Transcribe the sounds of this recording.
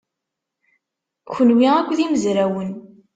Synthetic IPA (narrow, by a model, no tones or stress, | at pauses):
çənwiækʷːðiməzɾæwən